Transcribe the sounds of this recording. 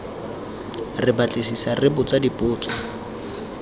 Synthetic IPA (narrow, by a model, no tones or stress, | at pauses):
rɪbat͡ɬʼɪsisarɪbʊt͡sʼadipʼʊːt͡sʼɔ